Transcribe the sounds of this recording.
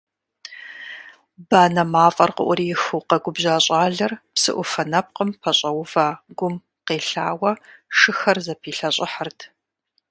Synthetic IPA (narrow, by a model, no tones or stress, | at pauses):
baːnɐmaːfʼɐrqə̰ʔʷʊɾiːjɪxuqɐɡʷʊbʑaːɕʼaːɮɐrpsɨ̰ʔʷʊfɐnɐp̚qəmpʰɐɕʼɐwʊvaːɡʷʊm | qeːɬaːwɐʂɨxɐrzɐpʰiːɬɐɕʼɪħərtʰ